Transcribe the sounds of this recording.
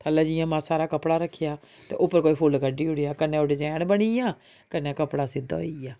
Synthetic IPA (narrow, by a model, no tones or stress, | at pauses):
t̪ʰələːd͡ʒɪjãːmãːsaːɾaːkəpɽaːɾəkʰːjaː | t̪ḛːʔʊpːəɾkoːiːpʰʊlɡəɖiːɦʊɽejaːkənẽːoːɽeːd͡ʒɛːɽbəɽ̃iːãː | kənːãːkəpɽaːsɪd̪a̰ːoiaː